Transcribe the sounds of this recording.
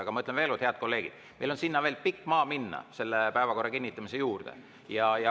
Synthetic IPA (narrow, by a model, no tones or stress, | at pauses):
ɑɡ̥ɑmɑɯt̪leve̞ːlot̪heɑd̪̥̚ko̞lːe̞ːɡ̥id̪̥ | me̞jlo̞nsinːɑve̞ːlpikːˑmɑːminːɑ̰se̞lːepæevɑko̞rːɑkinʲːit̪ːˑɑmise̞juːrd̪̥ḛ | jɑjɑ